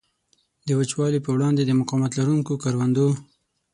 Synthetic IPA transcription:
d̪əwat͡ʃwɑlipəwɽɑnd̪ed̪əmʊqɑmat̪laɾuŋkokɑɾwand̪o

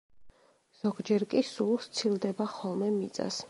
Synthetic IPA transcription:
z̥ɔɡd͡ʒɛɾkʼisulˠʃt̪sʰild̪ɛbaχɔlˠmɛmit̪sʼa̰s

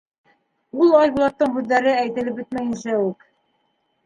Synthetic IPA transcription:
ulˠɑjβulˠɑt̪ːɤɴhʉðːæɾɘæjt̪ɘ̆lɘp̚bɘt̪mæjɘ̆nsæʉk

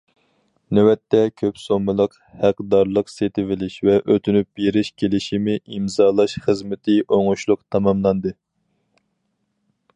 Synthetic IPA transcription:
nɛwɛt̪ʰːɛkʲʰøpsomːɨlˠəq | hæqd̪ɑɾlˠəqset̪ʰɪvɪlɪʃvɛʔøt̪ʰynyp̚jeɾɪʃkʲʰelɪʃimɪʔimzɑːlˠɑʃχəzmɪt̪ʰɪʔoŋʊʃlˠʊqt̪ʰɑmɑmlˠɑnd̪ɨ

